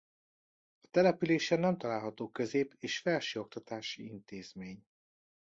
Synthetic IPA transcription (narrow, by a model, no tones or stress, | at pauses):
ɒt̪ɛlɛpyleːʃɛnɛmt̪ɒlaːlɦɒt̪oːkøzeːpʰeːʃfɛlʃeo̞k̚t̪ɒt̪aːʃiint̪eːz̥meːɲ